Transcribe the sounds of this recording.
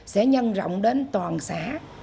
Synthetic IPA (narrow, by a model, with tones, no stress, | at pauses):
sɛ̰˧˥ɲə˧nzɔ̰˧˨wŋ͡mɗe˨˦nt̪waː˨˩nsaː˧˥